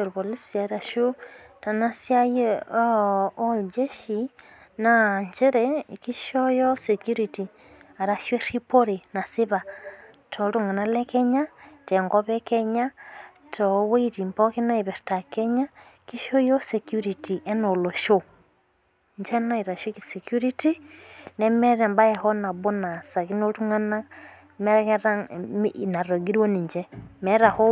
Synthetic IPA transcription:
o˨ɾβo˨li˦si˨a˨i˨ɾa˨ʃu˦ | ta˨na˦sja˦je˦ | o˦ld͡ʒe˦ʃi˨ | na˨ɲd͡ʒɛ˦ɾeki˦ʃo˦jɔ˦se˨kju˦ɾi˨ti˨ | a˨ɾa˨ʃe˦ri˦po˦ɾe˨na˨si˦βa˨ | tʰo˨ɾu˦ŋa˨na˦lɛ˦kɛ˦ɲa˦te˨ŋɡɔ˦βɛ˦ke˦ɲa˦ | tʰɔ˨we˦iti˨mpɔ˦ki˦na˦iβɛ˨ɾta˨kɛ˦ɲa˦ | ki˦ʃo˦jo˦sɛkjuɾiti˨ʔɛ˦no˨lo˨ʃo˦ | ɲd͡ʒɛ˦na˦iɾa˨ʃo˦kisɛkju˦ɾi˦ti˦nɛ˦mɛ˦ɾɛ˨mba˦jɛ˨hɔ˦na˨bo˦na˨sa˨ki˦no˦ɾu˦ŋa˦na˦ | mɛ˦ɾɛkɛɾa˦m˨na˨ɾo˨ɡi˦ɾwɔ˦ni˨ɲd͡ʒɛmɛɾa˨hɔ˦

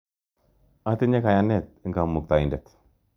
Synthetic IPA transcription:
a˦t̪i˦ɲɛ˦ka˨ja˦nɛ˦˨t̪̚ŋɡa˨mu˨k̚t̪a˨i˨ndɛ˨t̪

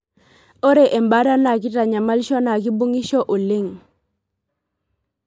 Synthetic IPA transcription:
o˦ɾe˨ʔe˨mba˦ɾa˦na˨k̬i˦ta˨ɲa˨ma˦lʃɔ˦na˨ki˦bu˦ŋi˦ʃɔ˦ʔo˨lɪ˦ŋ

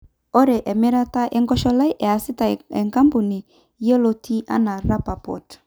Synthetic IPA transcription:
ɔ˦ɾɛ˨ʔɛ˨mi˦ɾa˦ta˦ʔe˨ŋɡɔ˦ʃɔ˦la˦jʔɛ˨a˨si˦ta˨e˨ŋka˦mpu˨ni˨ | je˦lo˦ti˦ʔa̰˦na˨ɾa˦pa˨pɔ̰˨t

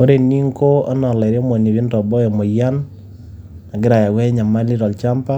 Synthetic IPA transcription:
o˦ɾe˨ni˦ŋko˦a˦nɔ˨lɛ˨ɾɔ˦mɔ˨ni˨βi˦ndɔ˨bɔ˦jɔ˨mɔ˨ja˦n | a˨ɡɪ˦ɾa˨ja˨wɛ˦ɲa˨ma˦li˦ɾɔ˨lt͡ʃa˦mpa˦

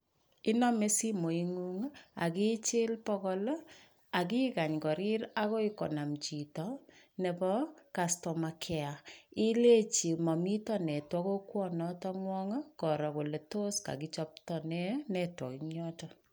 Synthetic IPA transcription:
i˦nɔ˦me˦si˦mo˨i˦ŋu˦ŋ˦a̰˨ki˦t͡ʃɪ˦lpɔ˦kɔl | a˨ki˦ka˨ɲkɔ˨ɾi˦ɾa˦kɔ˦i˦kɔ̰˨na˨mt͡ʃi˨tɔ˨ | ne˨pɔ˦ka˨stɔ˨ma˨kʰɛ˨a˨i˦le˦t͡ʃi˨mɔ˨mi˦tɔ˦nɛ˨twɔ˦ko˦kwɔ˦nɔ˦tɔ˦ŋwɔ˦ŋə˦kɔ˨ɾɔ˨ko˨le˨to˦ska̰˨ki˦t͡ʃɔ˦p̚tɔnɛ˦nɛ˨twɔ̰˨kiɲɔ˦tɔ˦

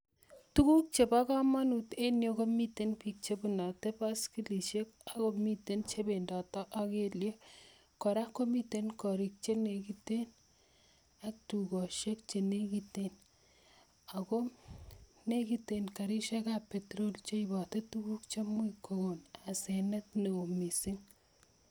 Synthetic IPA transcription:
tu˦ku˦k̚t͡ʃe˨pa˦ka˦ma˦nute˦njo˦ko˦mitenpi˨k̚t͡ʃe˦bu˨na˨te˦pa˦ski˦li˨ʃeka˨ko˦mitent͡ʃe˦be˨ndɔ˨tɔ˦ʔa˦ke˦lje˦ | kɔ˨ɾa˦ko˦mi˦tenkɔ˨ɾi˨k̚t͡ʃe˦ne˨kite˦n | ak̚tuɡɔ˨ʃe˦k̚t͡ʃene˦ɡiten | ako | neɡitenka˨ɾi˦ʃakapːetɾo˦lt͡ʃe˦ibɔ˨tetuɡu˦kt͡ʃe˦mwikːoɡonasenɐ˦t̚ne˨o˨mi˨si˦ŋ

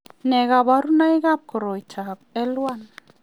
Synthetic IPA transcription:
nɛ˨ɡa˨ba˨ɾu˦na˦jɡa˦p̚kɔ˨ɾɔ˨jt͡ʃʰa˨b̚ɛ˦lwa˦n

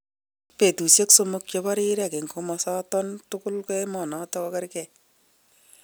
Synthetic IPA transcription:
pe˨tu˨sje˦kso˦mʊ˦k̚t͡ʃɔ˧ba˦ɾɪ˦ɾe˦a˨ke˨ŋkomɔ˧sa˦tɔ˦ntʊ˦kʊ˦lke˦e˦mɔ˨nɔ˨tɔkɔ˧ka˦ɾkɛ˨

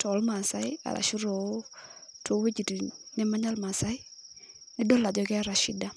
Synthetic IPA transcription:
tɔ˨˦lma˨sa˦ja̰˨ɾa̰˨ʃi˦ɾo˨˦to˨˦we˦d͡ʒi˨ti˨nɛ˦ma˦ɲa˦lma˨sa˦i˦ | nɪ˦dɔ˦lːa˨d͡ʒɔ˨kɛ˦a˦ɾa˨ʃi˦da˦

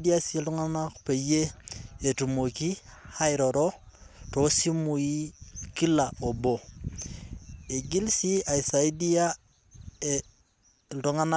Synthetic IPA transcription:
dia˦si˦ltu˦ŋa˦na˦kpe˨je˦e˨tu˨mo˨ki˦ha˦iɾo˨ɾo˦to˦si˦mu˨ji˦ki˦lao˨bo˨ | e˨ɡi˦lsi˦a˨i˨sa˨i˦di˦a˦ | e | tu˦ŋa˦na˦

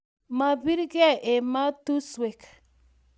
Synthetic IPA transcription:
ma˨bi˦ɾɡɛ˦ʔe˨ma˦t̪u˦swe˨k

